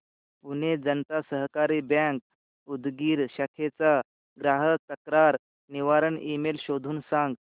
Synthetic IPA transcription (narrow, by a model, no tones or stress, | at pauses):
puned͡zənt̪asəɦkaɾibãŋk̚ | ud̪ɡiːɾɕakʰet͡sa | ɡɾaɦət̪əkɾaɾ | niʋaɾəɳemelɕod̪ʱuːnsãŋɡ